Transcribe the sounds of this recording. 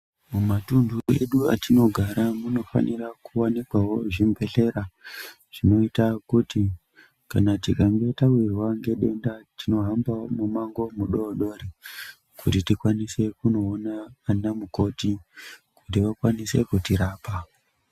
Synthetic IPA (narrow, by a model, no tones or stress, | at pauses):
mumatunduḛɗua̰tino̞ɡʱaɾamuno̞fa̰nirakuwanikwawo̞ʐimbʱe̞ɬe̞ɾa | ʐ̥ino̞itakuti | kanatikaŋɡe̞tawirwaŋɡe̞ɗe̞ndatino̞ɦambamumaŋɡo̞muɗoɗo̞ɾi | kutitikwanise̞kuno̞ːnaːnamuko̞ti | kutiʋakwanise̞kutiɾaːpa